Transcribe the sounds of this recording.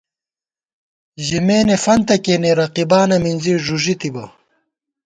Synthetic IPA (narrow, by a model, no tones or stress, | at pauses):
ʑimeːnefɐnt̪ɐkeːneɾɐqibaːnɐminziʐuʐit̪ibɐ